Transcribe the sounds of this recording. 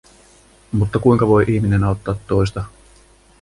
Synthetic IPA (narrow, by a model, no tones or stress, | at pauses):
mut̪ːɑkujŋkɑʋo̞jʔiçmine̞nɑˑot̪ːɑːt̪ːo̞jst̪ɑ